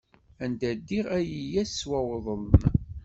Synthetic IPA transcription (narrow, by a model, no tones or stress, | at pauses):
ænd̪æd̪iʁæjijæswæwðˤələn